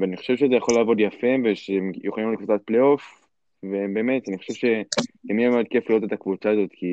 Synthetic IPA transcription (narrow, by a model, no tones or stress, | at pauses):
veaniχo̥ʃe̞vʃeze̞jaχo̞laːvo̞d̪jafeveʃeemjuχoalimlekvut͡sat̪̚pleo̞f | vebe̞ːmet̪aniχoʃe̞vʃe̞emijemeod̪̚ke̞fliʁote̞t̪akvut͡saːzo̞t̪ki